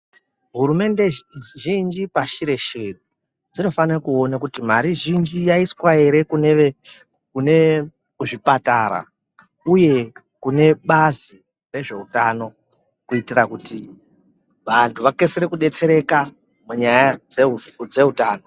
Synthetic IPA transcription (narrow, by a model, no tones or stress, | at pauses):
ɦuɾume̞nde̞ʒind͡ʒipaʃiɾe̞ʃeɗu | d͡zino̞fanekuo̞nakutim̤aɾiʒind͡ʒijaiswae̞ɾe̞kunee | kune̞ | uʐipataɾa̰ | uje̞ | kune̞ɓazi | re̞ʐe̞utaːno̞ | kuitirakuti | ʋantʰuʋake̞seɾekuɗe̞t͡se̞ɾe̞ka | muɲajaeud͡ze̞ɦutaːno̞